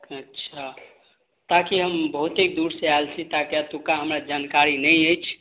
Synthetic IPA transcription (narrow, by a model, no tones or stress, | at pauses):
ətːʃʰa | t̪akiɦəmbəɦut̪ek̚d̪uɾsealt͡ʃʰit̪akeat̪ukaɦəmɾad͡ʒankaɾinəjəjt͡ʃʰ